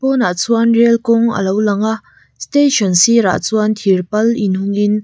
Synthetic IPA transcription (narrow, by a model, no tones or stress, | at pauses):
pɔnat͡suɐnrelkɔŋə̰lowlɐŋaʔ | steʃɔnsiɾa̰t͡suɐnt̪ʰirpɐlinhʊŋɪn